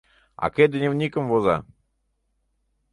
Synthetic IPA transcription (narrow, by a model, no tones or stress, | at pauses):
a̰ked̪nʲewnʲikəmvoza̰